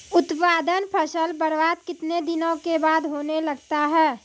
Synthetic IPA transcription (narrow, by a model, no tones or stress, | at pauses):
ʊt̪paːd̪ənpʰɐʃəlbəɾʋaːt̪kɪt̪ned̪ɪnõkebaːd̪ɦoːnelɐɡt̪aɦɛː